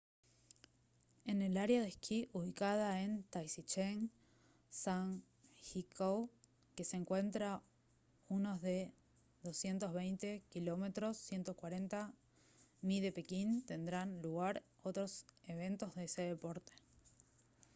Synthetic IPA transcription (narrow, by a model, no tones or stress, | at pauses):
ene̞laɾjaðekiʔuβikað̞aent̪ajsit͡ʃeŋ | saŋ | xikʰow | ke̞seŋkwe̞nt̪ɾa | uno̞zðe̞ | ðo̞sje̞nt̪o̞zβejnt̪e̞kilo̞me̞t̪ɾo̞sːje̞nt̪okwaɾe̞nt̪a | niðe̞pe̞kint̪e̞nd̪ɾanluɣ̞aɾ | ot̪ɾo̞seβ̞e̞nt̪o̞zðeese̞ðepo̞ɾt̪e̥